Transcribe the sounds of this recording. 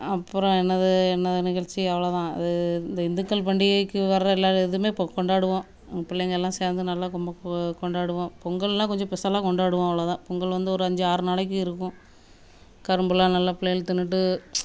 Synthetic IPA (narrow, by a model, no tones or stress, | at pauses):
ɐpːɯɾɔ̃ɛnːɐðɯɛnːɐðɯnɪɣɐɭt͡ʃːiɐʋɐɭɐt̪ãːɐ̰ðɯnd̪ɐɪnd̪ɯkːɐlpɐɳɖɪɐkːɯʋɐɾɾɐɛlːaːɾɯɛðɯmeːpkɔɳɖaːɽɯʋõ | ŋɡɐpɪɭːɛjŋɡɐɭɛlːãːseːɾnd̪ɯnɐlːaːkɔmbɐkɔɳɖaːɽɯʋõpɔŋɡɐɭɛlːãːkɔɲd͡ʒɔ̃pɛsaːlãːkɔɳɖaːɽɯʋõːɐʋɐɭɐt̪ãːpɔŋɡɐɭʋɐnd̪ɯɔɾɯɐɲd͡ʒɯaːɾɯnaːɭɐk̬ːɯ̃ɪɾɯkːʊ̃ | kɐɾɯmbɯlaːnɐlːɐpɪlːɐjɪlt̪ɪnːɯʈ̬ːɯ